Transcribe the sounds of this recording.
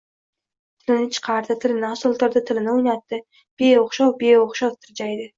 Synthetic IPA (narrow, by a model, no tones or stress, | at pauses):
t̪ʰɪlɪnɪt͡ʃʰɨ̥qʰɑɾd̪ɪt̪ʰɪlɪnɪasʊlˠt̪aɾd̪ɪt̪ʰɪlɪnɪʊjnat̪ːɪ | b̥eoχʃɑwbeoχʃɑwt̪ʰɪɾd͡ʒajd̪ɪ